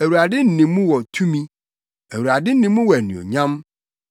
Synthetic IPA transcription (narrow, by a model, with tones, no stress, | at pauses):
æ˨wu˨ɾa˨dɪ˦n̩˦˨nĩ˨˦mũ˦wɔ˨tʰũ˦mĩ˦ | æ˨wu˨ɾa˨dɪ˦n̩˦nĩ˨mũ˦wɔ˨æ˨nĩ˨o̰˨ɲã˦m